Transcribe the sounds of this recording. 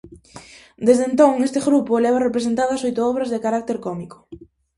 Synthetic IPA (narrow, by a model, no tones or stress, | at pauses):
d̪ezðent̪oŋest̪eɣɾupolɛβarepɾes̬ent̪aðɐsojt̪ʊɔβɾɐzðekaɾak̚t̪eɾkɔmiko̥